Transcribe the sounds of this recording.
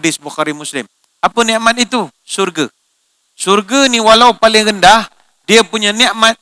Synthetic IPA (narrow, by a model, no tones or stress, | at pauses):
dɪsbuxaɾimuslɪm | apəniʔmat̪it̪u | surɡə | surɡəniwalaupalɪŋɾəndah | diəpuɲaniʔmat̪̚